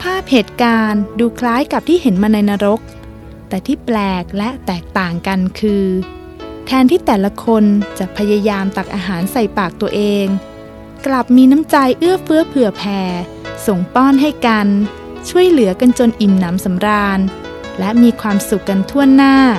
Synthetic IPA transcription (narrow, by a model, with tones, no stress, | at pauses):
pʰaː˥˩p̚heː˨˩t̪̚kaː˧nduː˧kʰlaː˦˥jka˨˩p̚t̪ʰiː˥˩he˩˦nmaː˧na˧jnaː˧ɾo˦˥k̚ | t̪ɛː˨˩t̪ʰiː˥˩plɛː˨˩k̚lɛ˦˥ʔt̪ɛː˨˩k̚t̪aː˨˩ŋka˧nkʰɯː˧ | t̪ʰɛː˧nt̪ʰiː˥˩t̪ɛː˨˩la˧kʰo˧nt͡ɕa˨˩ʔpʰa˧ja˧jaː˧mt̪a˨˩k̚ʔaː˧ɦaː˩˦nsa˨˩jpaː˨˩k̚t̪u˧ɐʔeː˧ŋ | kla˨˩p̚miː˧na˦˥mt͡ɕa˧jʔɯ˥˩əfɯ˦˥ɐpʰɯ˨˩əpʰɛː˧ | so˨˩ŋpɔː˥˩nɦa˥˩jka˧n | t͡ɕʰu˥˩əjlɯ˨˩˦ka˧nt͡ɕo˧nʔi˨˩mna˩˦msa˩˦mɾaː˧n | lɛ˦˥ʔmiː˧kʰwaː˧msu˨˩kːa˧nt̪ʰu˥˩ənːaː˥˩